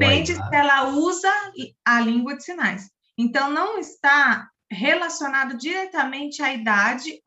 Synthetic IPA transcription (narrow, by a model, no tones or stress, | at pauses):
pẽd͡ʒɪsɛlɐuzɐːlĩŋɡwɐd͡ʒɪsinajs | ẽnt̪ɐ̃w̃nɐ̃w̃ɪst̪a | ɦelasionad̪ʊd͡ʒiɾɛt̪ɐmẽnt͡ʃɪaid̪ad͡ʒɪ